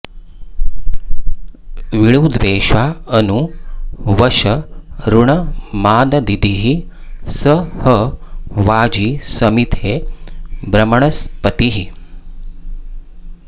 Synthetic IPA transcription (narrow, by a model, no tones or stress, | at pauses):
ʋiɭuːd̪ʋeːʃʋaːɐnu | ʋɐʃɐɾuɳɐmaːd̪ɐd̪id̪iɦi | səhɐʋaːd͡ʒisɐmit̪ʰeːbɾɐmɐɳɐspət̪iɦi